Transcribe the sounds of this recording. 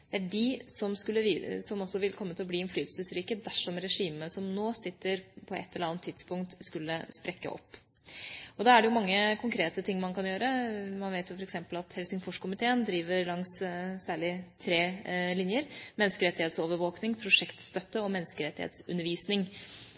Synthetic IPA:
d̪̥ææɖɪsɔmskʉlːəʋsɔmɔsːɔʋɪlkʰɔmːət̪ʰɪlɔbliːɪnflyːt̪əlsəsɾiːkəd̪æʂɔmɾɛʂiːməsɔmnoːsɪt̪ːəɾpʰɔʔɛ̰t̪ʰːɛləɾɑnət̪ʰːɪd̪spʊŋkt̪skʉlːəspɾɛkːə̰ʔɔ̰pː | ɔd̪ɑæɖɛjʊmɑŋːəkʰʊŋkʰɾeːt̪ət̪ʰɪŋːmɑnkɑnjøːɾəmɑnʋeɪt̪jʊfɔɾɛksɛmpəlɑt̪hɛlsɪŋfɔʂkʰʊmɪt̪ʰeːənd̪ɾiːʋəɾlɑŋssæːɭɪt̪ʰɾeːlɪnjəɾmɛnːəskəɾɛt̪ːɪheːt̪soːʋəɾʋoːknɪŋpʰɾʊʂɛkt̪st̪œt̪ːəɔmɛnːəskəɾɛt̪ːɪhḛːt̪sʉnːəɾʋiːsnɪŋ

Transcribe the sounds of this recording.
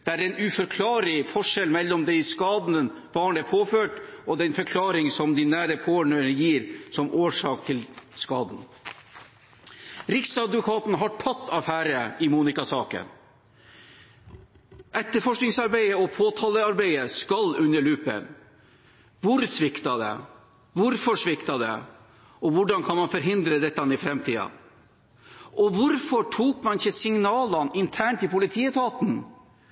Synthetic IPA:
d̪̥ɛæːɾɛnʉfɔɾkʰlɑːɾɪfɔʂɛlmɛlːɔmd̪ɛɪskɑːd̪nən | b̥ɑːɳəpʰoːføːʈɔd̪ɛnfœɾkʰlɑːɾɪŋsɔmd̪ɪnæːɾəpʰoːɳənjiːɾsɔmʔoːʂɑːk̚t̪ʰɪlskɑːd̪n̩ | ɾɪksɑd̪ʋʊkʰɑːt̪nɦɑʈʰɑt̪ːɑfæːɾəɪmuːnɪkɑsɑːkə̰n | ʔɛt̪ːəɾfɔʂknɪŋsɑɾbæɪəɔpʰoːt̪ʰɑːləɑɾbæɪəskɑlʉnːəɭʉːpə̰n | ʋʊɾsʋɪkt̪ɑd̪ɛ̰ | ʋʊɾfɔʂʋɪkt̪ɑd̪ɛ̰ | ɔʋʊɖɑnkʰɑnmɑnfɔɾɦɪnd̪ɾəd̪ɛt̪ːənɪfɾɛmt̪ʰiːɑ̰ | ʔɔʋʊɾfɔʈʰuːkmɑnɪçəsɪŋnɑːlɑnɪnt̪ʰæːɳʈɪpʊlɪt̪ʰiːət̪ʰɑːt̪n̩

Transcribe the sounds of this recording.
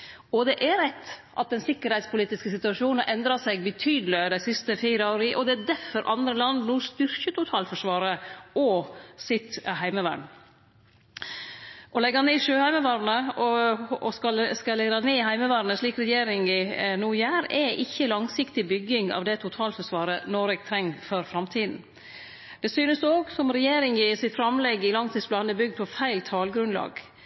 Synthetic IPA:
ɔd̪ɛʔæɾɛt̪ːʔɑ̰t̪̚d̪ɛnsɪkːəɾhæɪt̪spʊliːt̪ɪskəsɪt̪ʉɑʂuːnʔɛnd̪ɾɑsɛɡ̚bət̪ʰyːd̪lɪd̪æɪsɪst̪əfiːɾəoːɾiʔɔd̪ɛæd̪æɾfɔɾʔɑnd̪ɾəlɑnd̪nuːst̪ʏɾçət̪ʊt̪ʰɑːlfɔʂʋɑːɾəʔɔsɪt̪ɦæɪməʋæ̰ɳ | ʔɔlɛɡɑneːʂøːhæɪməʋɑːɾnəɔɔskɑskɑlɛɡɑneːhæɪməʋæːɾnəʂɭiːkɾɛjeːɾɪŋɪnuːjæːɾɛʔɪçːəlɑŋsɪkt̪ɪbʏɡɪŋɑ̰ʋd̪ɛt̪ʰʊt̪ʰɑːlfɔʂʋɑːɾənɔɾɛɡ̚t̪ʰɾɛŋːfɔɾfɾɑmt̪ʰiːd̪n̩ | d̪̥ɛsyːnəsoːɡsɔmɾɛjeːɾɪŋɪsɪt̪fɾɑmlɛɡɪlɑŋt̪ʰiːsplɑːnəbʏɡd̪̚pʰɔfæɪlt̪ʰɑːlɡɾʉnlɑ̰ːɡ

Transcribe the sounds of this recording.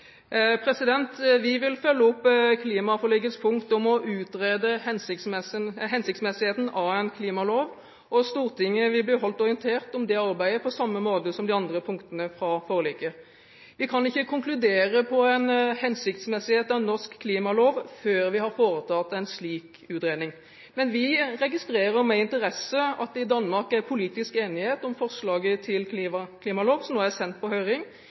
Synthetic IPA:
pʰɾɛsɪd̪ɛnt̪ʋɪʋɪlfœlːəɔpːkʰliːmɑfɔʁliɡət̪spʰʊŋkt̪ɔmɔʔʉːt̪ʁeːd̪əhɛnsɪ | ɦɛnsɪkt̪smɛsɪheːt̪n̩ɑʋæɪnkʰliːmɑloːʋ | ʔɔst̪uːʁt̪ʰɪŋːəʋɪlbliːɦɔlt̪ɔʁɪənt̪ʰeːʁt̪ɔmd̪ɛɑʁbæɪəpʰɔsɑmːəmoːt̪əsɔmd̪ɪɑnd̪ʁəpʰʊŋkt̪ənəfɾɑfoːlɪkə | ʋɪkʰɑnɪçːəkʰʊŋklʉd̪eːɾəpʰɔɛɪnhɛnsɪk̚t̪smɛsɪheːt̪ɑʋnɔʁskkʰːliːmɑloːʋføːɾʋɪhɑɾfoːɾət̪ʰɑt̪ːæɪnsliːk | ʉːt̪ɾeːnɪŋ | mɛnʋɪɾɛɡɪst̪ɾeːɾəɾmɛɪnt̪əɾɛsəɑt̪̚d̪ɛɪd̪ɑnːmɑʁkæpʰʊliːt̪ɪskeːnɪheːt̪ɔmfɔʁslɑːɡət̪ʰɪlk̪ʰiɑkʰliːmɑloːʋsɔmnoːæsɛnt̪̚pʰɔhœʏɾɪŋ

